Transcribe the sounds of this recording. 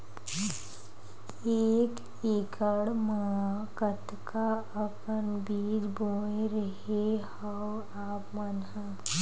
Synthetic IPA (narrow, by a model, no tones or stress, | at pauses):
eːk | eːkəɽməakət̪kʰa | əkənbiːd͡ʒboːeɾəɦehəw | aːpmanɦə